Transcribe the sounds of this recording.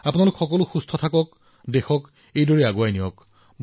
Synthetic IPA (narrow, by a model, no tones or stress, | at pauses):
apʊnalʊkxɔkɔlʊxustʰɔtʰakɔk | dexɔk | ejdɔɹiaɡoajnijɔk | b